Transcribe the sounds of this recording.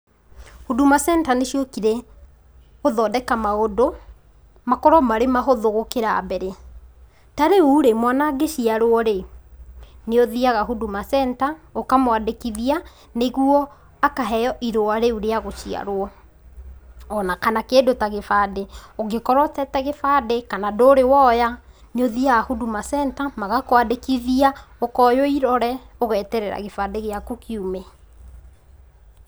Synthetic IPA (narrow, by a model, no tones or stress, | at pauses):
hudumasɛntaneʃiokiɾɛ | oðɔːdɛkamaodo | makɔɾɔmaɾemaɦoðoɣokeɾabɛɾe | taɾeuɾemwanaɡeʃiaɾoɔɾe | neoðiaɣaɦudumasɛntaokamwadekiðia | neɣuɔ | akaɦɛjɔʔiɾoaɾeuɾeaɣot͡ʃia̰ɾoɔ | ɔnakanakendotaɣefadeoɡekɔɾwɔtɛtɛɣefadekanadoːɾewɔja | neoðiaɣahudumasɛntamaɣakowadekiðiaokɔjoiɾɔɾɛoɣɛːtɛɾɛɾa̰ɣefadeɣeakukiumɛ